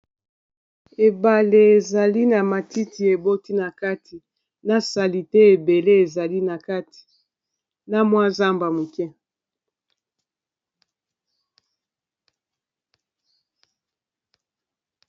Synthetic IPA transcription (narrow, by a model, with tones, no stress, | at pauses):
e˨ba˨le˨e˨za˨li˦na˨ma˨ti˦ti˨e˨bo˦ti˦na˨ka˦tʰi˨ | na˦sa˨li˨tɛ˦e˨be˨le˦e˨za˨li˦na˨ka˦ti̥˨ | na˦mwa˦za˦mba˨mu˨kɛ˦